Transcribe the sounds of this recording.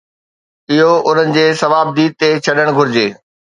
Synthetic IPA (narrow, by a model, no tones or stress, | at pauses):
ɪɦoʔʊn̤ənɪ̆d͡ʑeːsɐʋaːb̚d̪iːd̪̚t̪et͡ɕʰɐɗəɽ̃ɡʱʊɾɪd͡ʑeː